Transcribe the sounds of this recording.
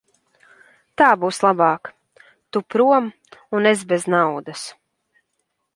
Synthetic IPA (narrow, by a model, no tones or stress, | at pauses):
t̪aːbuːslˠabɑːk | t̪upɾuɔm | unez̬beznawd̪as